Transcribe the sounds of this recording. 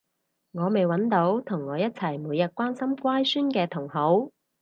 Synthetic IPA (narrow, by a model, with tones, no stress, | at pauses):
ŋɔː˨˧me˨jwɐ˨˥nt̪o˨˥wt̪ʰʊ˨˩ŋːɔː˨˧jɐ˥t̚t͡sʰɐ˨˩jmuː˨˧jɐ˨t̚kʷwaː˥nsɐ˥mkwaː˥jsyː˥nkɛː˧t̪ʰʊ˨˩ŋho˨˥w